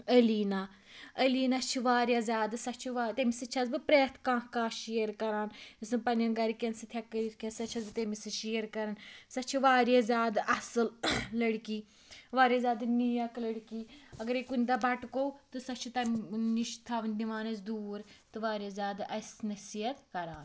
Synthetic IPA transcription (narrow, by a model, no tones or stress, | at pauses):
əliːna | əliːnɐt͡ʃʰiʋaːɾʲjaːzʲaːd̪sɐt͡ʃʰiʋaːt̪emisɐt͡ʃʰɐzbɨpɾeːt̪ʰkãːkaːʃijɐɾkɐɾaːnɐsɨpɐnjɐnɡɐɾikʲensɨt̪ʰjakːit̪kʲensɐtːt͡ʃʰɐzbɨt̪emisɨʃijəɾkɐɾɐnsɐtːt͡ʃʰiʋaːɾjazʲjaːd̪ɐsɨllɐɽkiː | ʋaːɾʲjazʲaːd̪nijɐklɐɽkiːɐɡɐɾekunʲd̪abɐʈkowt̪ɨsɐt͡ʃʰut̪ɐniʃt̪ʰɐʋnʲd̪iʋaːnɐsd̪uːɾt̪ɨʋaːɾjɐzʲaːd̪ɐsnɐsijɐt̪kɐɾaːn